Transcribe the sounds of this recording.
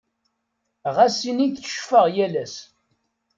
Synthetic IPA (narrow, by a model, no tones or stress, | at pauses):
ʁæsiniθə̥ʃfəʁjælæs